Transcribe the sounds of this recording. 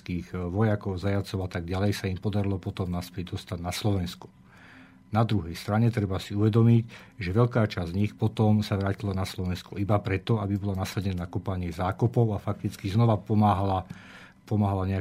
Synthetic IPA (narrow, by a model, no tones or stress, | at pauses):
kiːɣʋɔjakɔʊzajat͡sɔʊat̪aɡ̚ɟalɛjsaimpɔd̪aɾilɔpɔt̪ɔmnaspɛɟ̚d̪ɔst̪aɟnaslɔʋɛnsku̥ | nad̪ɾuɦɛjst̪ɾaɲɛt̪ɾɛbasiuʋɛd̪ɔmicʒɛʋɛʎkaːt͡ʃazzɲixpɔt̪ɔmsaʋɾaːcilanaslɔʋɛnskɔibapɾɛt̪ɔabibɔlanasɛdɛnaakɔpaɲɪɛzaːkɔpɔʊafak̚t̪it͡skiznɔʋapɔmaːɦala | pɔmaːɦalaɲɛa